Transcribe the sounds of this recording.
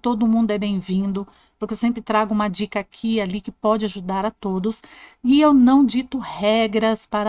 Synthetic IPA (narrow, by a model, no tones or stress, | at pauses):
t̪od̪ʊmũnd̪ʊɛbẽj̃vĩnd̪ʊ | pʊɾkewsẽmpɾɪt̪ɾaɡʊũmɐd͡ʒikɐakʰialikɪpɔd͡ʒɪaʒud̪aɾɐt̪od̪ʊsɪewnɐ̃w̃d͡ʒit̪ʊhɛɡɾɐspaɾɐ